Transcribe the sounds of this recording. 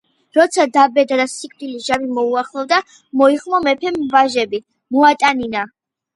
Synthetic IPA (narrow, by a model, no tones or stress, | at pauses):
ɾɔt̪sʰad̪abɛd̪ad̪asikʼd̪iliʒabimɔuaχlˠɔvd̪a | mɔiχmɔmɛpʰɛmvaʒɛbi | mɔat̪ʼanina